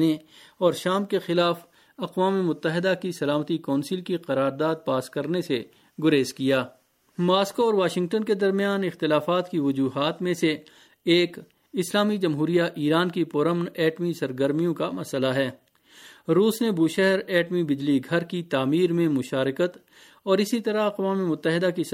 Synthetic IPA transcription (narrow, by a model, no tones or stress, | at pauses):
neɔːɾʃaːmkexɪlaːf | ɐqwaːmemʊt̪ːəɦɪd̪akisɐlaːmət̪ikɔːnsɪlkiqɐɾaːɾd̪aːd̪̚paːskɐɾnese | ɡʊɾeːskijaː | maːskoɔːɾʋaːʃɪ̃ŋɡ̚ʈənked̪ɐɾmijaːnɪxt̪ɪlaːfaːt̪kiʋʊd͡ʒuːɦaːt̪mẽse | eːk | ɪslaːmid͡ʒɐmɦuːɾijaʔiːɾaːnkipʊɾəmnɛːʈmisɐɾɡəɾmijõkamɐsəlaɦɛː | ɾuːsnebuːʃɛɦɛɾɛːʈmibɪd͡ʒliɡʱɐɾkit̪aːmiːɾmẽmʊʃaːɾɪkət̪ | ɔːɾɪsit̪ɐɾaɐqʋaːmemʊt̪ːəɦɪd̪aki